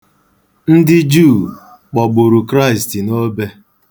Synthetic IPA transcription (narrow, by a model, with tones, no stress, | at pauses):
n̩˦dɪ˦d͡ʒuː˦˨ | k͡pɔ˨ɡ͡bʊ˨ɾʊ˨kɾa˦ɪ˨sti˨no˦be˦